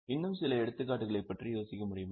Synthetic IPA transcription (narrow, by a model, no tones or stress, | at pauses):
ɪnːɯmsɪlɐɛɽɯt̪ːɯkːaːʈːɯɣɐɭɐɪpːɐʈrijoːsɪkːɐmʊɽɪjɯm